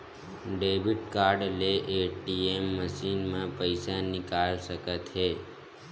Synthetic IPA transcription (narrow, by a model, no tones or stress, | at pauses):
ɖeʋiɖkaɾɖleʔeʈiemːəʃinmãpəjsanikalʃəkət̪ɦe